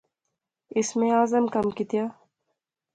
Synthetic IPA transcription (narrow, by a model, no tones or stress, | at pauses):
ɪsmẽaːzəmkɐmkit̪jaː